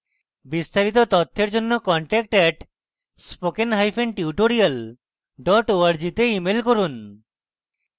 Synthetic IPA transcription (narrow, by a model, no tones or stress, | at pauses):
bist̪aɾit̪̬ot̪ot̪ʰːeɾd͡ʑonːokɔɳʈɛk̚ʈɛʈ | spokenɦajfenʈiuʈoɾial | ɖɔʈoaɾd͡ʑit̪eimelkoɾun